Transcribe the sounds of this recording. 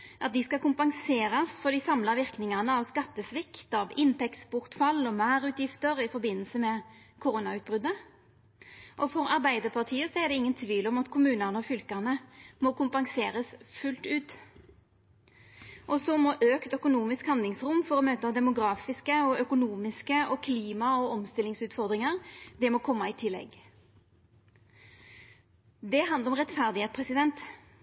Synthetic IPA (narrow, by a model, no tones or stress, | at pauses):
ʔɑt̪̚d̪ɪskɑkʰʊmpɑŋseːɾɑsfɔɾd̪ɪsɑmlɑʋɪʁknɪŋɑnəɑʋskɑt̪ːəsʋɪkt̪ɑʋɪnt̪ɛksbʊʁt̪fɑlːɔmæːʁʉːt̪jɪft̪əɾɪfɔɾbɪnːəlsəmɛ | kʰʊɾuːnɑʉːt̪̚bʁʏd̪ə | ʔɔfɔɾɑʁbæɪd̪əʁpʰɑʁt̪ʰiːəsɔɛʁd̪ɛɪŋːənt̪ʰʋiːlɔmɑt̪kʰʊmʉːnəʁnəɔfʏlkɑnəmɔkʊmpɑŋseːʁəsfʉlt̪ʉːt̪ | ʔɔsɔmɔʔøːkt̪œkʊnuːmɪskhɑnd̪lɪŋsʁʊmfɔɾɔmøːt̪ɑd̪ɛmʊɡɾɑːfɪskəɔœkʊnuːmɪskəʔɔkʰliːmɑɔɔmst̪ɪlːɪŋsʉːt̪fɔʁd̪ʁɪŋəʁd̪ɛmɔːkʰɔmːɑɪt̪ʰɪlːɛ̰ɡ | d̪ɛɦɑnd̪əɾɔmʁɛt̪fæʁd̪ɪheːt̪spʰʁɛsɪd̪ɛnt̪